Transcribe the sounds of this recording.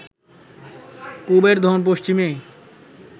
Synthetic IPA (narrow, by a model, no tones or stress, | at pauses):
kubeɾd̪ʱonp̬oʃt͡ɕime